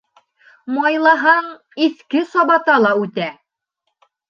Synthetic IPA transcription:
mɑjlˠɑɦɑɴ | iθkɘsɒβɑt̪ɑlˠɑʉt̪æ

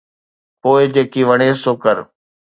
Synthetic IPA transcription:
poːɪd͡ʑeːkiʋəɽ̃eːsoːkəɾ

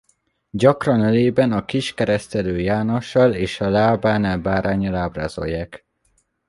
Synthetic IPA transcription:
ɟɒkrɒnøleːbɛnɒkiʃkɛɾɛst̪ɛløːjaːno̞ʃːɒleːʃɒlaːbaːnalbaːɾʔaːɲɒlaːbra̰ːzo̞̰jːaːk

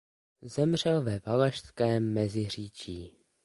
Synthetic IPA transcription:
zɛmr̝ɛlvɛvalaʃskɛːmːɛzɪr̝iːt͡ʃiː

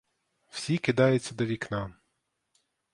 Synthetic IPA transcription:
wsʲikɪd̪ɑjʊt͡sʲːɐd̪ɔʋʲiknɑ

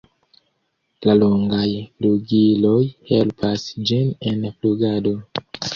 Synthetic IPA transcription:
laloŋɡajfluɡilo̞jhelpʰasd͡ʒine̞nfluɡado̞

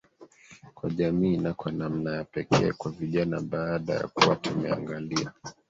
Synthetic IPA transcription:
kwaʄamiːnakwanam̩najapɛkʰɛːkwaviʄanaɓaːɗa̰ja̰kuwatumɛa̰ŋɡalia

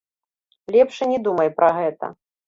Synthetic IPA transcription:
lʲɛpʂɨnʲɛd̪umɐjpɾɐɣɛt̪ɐ̰

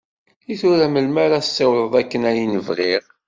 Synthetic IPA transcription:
iθʊɾæməlmaɾasːɪwləðˤækːənæjinəvʁiʁ

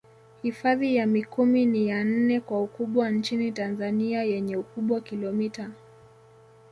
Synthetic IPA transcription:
hifaðijamikuminijan̩nɛkwaukuɓwant͡ʃinitanzaniajɛɲɛukuɓwakilɔmita

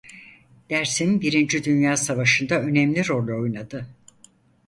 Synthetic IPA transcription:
d̪̥æɾsinbiɾind͡ʒid̪ynjaːsavaʃɯnd̪aø̞nɛmlʲiɾo̞lʲo̞jnad̪ɯ

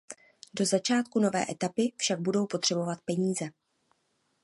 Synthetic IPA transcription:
do̞zat͡ʃaːt̪kuno̞vɛ̰ːʔɛt̪apɪfʃaɡ̚budo̞wpo̞t̪r̝̥ɛbo̞vat̪̚pɛɲiːzɛ

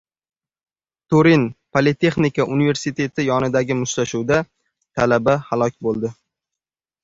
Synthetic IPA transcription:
t̪ʰoɾinpʰolɪt̪ʰe̞χnikaʔʊnive̞ɾsɪt̪ʰe̞t̪ʰɪjɒnɪd̪aɡʲɪmʊʃt̪aʃuwd̪a | t̪ʰalabahalˠɒk̚ʲbolˠd̪ɪ

